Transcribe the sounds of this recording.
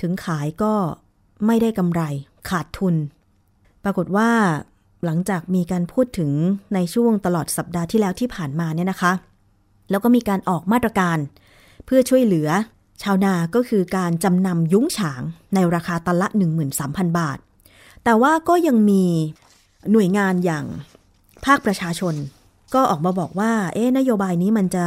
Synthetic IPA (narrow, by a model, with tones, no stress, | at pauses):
t̪ʰɯ˩˦ŋkʰaː˩˦jkɔː˥˩ | ma˥˩jda˥˩jka˧mɾa˧j | kʰaː˨˩t̪ʰːu˧n | pɾa˧ko˨˩t̪̚waː˥˩ | la˩˦ŋt͡ɕaː˨˩k̚miː˧kaː˧npʰuː˥˩t̪ʰːɯ˩˦ŋna˧jt͡ɕʰu˥˩əŋt̪a˧lɔː˨˩t̪̚sa˨˩p̚daː˧t̪ʰiː˥˩lɛː˦˥wt̪ʰiː˥˩pʰaː˨˩nmaː˧ni˥˩ɐna˦˥kʰa˦˥ | lɛː˦˥wkɔ˥˩miː˧kaː˧nʔɔː˨˩k̚maː˥˩t̪̚ːɾa˧kaː˧n | pʰɯ˥˩ɐt͡ɕʰu˥˩əjlɯ˩˦ɐ | t͡ɕʰaː˧wnaː˧˩kɔː˥˩kʰɯː˧kaː˧nt͡ɕa˧mna˧mjuː˦˥ŋt͡ɕʰaː˩˦ŋna˧jɾaː˧kʰaː˧t̪a˧la˦˥ʔnɯ˨˩ŋmɯː˨˩nsaː˩˦mpʰa˧nbaː˨˩t̪̚ː | ɛː˨˩waː˥˩kɔː˥˩ja˧ŋmiː˧ | nu˨˩əjŋaː˧njaː˨˩ŋ | pʰaː˥˩k̚pɾa˧t͡ɕʰaː˧t͡ɕʰo˧n | kɔː˥˩ʔɔː˨˩k̚maː˧bɔː˨˩k̚waː˥˩ʔeː˦˥na˦˥joː˧baː˧jniː˦˥ma˧nt͡ɕa˨˩